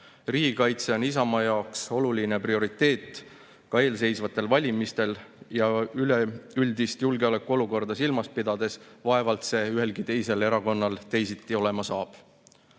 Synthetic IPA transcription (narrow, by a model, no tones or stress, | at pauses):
riːɡikɑjt̪se̞o̞nis̬ɑmɑjɑokso̞luline̞prio̞ɾit̪ːˑe̞ːt̪ːˑ | kɑe̞ːls̬e̞jsvɑt̪ːˑe̞lvɑlʲimist̪e̞ljɑyleylʲd̪ist̪julɡe̞ɑle̞kːˑuo̞luko̞rd̪ɑsilmɑspid̪̥ɑd̪e̞svɑe̞vɑlt̪se̞yɦe̞lɡit̪e̞jse̞le̞ɾɑko̞nːɑlt̪e̞jsit̪ˑːio̞le̞mɑsɑːb̥